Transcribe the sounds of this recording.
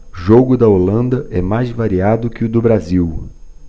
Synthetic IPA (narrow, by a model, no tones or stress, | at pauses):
ʒoɡʊd̪ɐolɐ̃nd̪ɐʔɛmajzvaɾiad̪ʊkɪʊd̪ʊbɾaziw